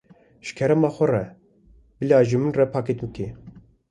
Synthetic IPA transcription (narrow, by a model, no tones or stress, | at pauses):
ʃkʰɛɾɛmɑːxʷɛrɛ | bɨljaːʒimɨnrɛpʰɑːkit̪mɨkʰi